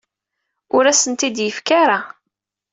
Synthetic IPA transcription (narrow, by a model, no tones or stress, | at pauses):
ʊɾæsənt̪id̪jəfkaɾa